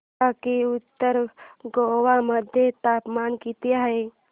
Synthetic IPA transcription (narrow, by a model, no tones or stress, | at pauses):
akiʊt̪ːəɾɡoʋaməd̪ʱjet̪aːpmaːnkit̪iaɦe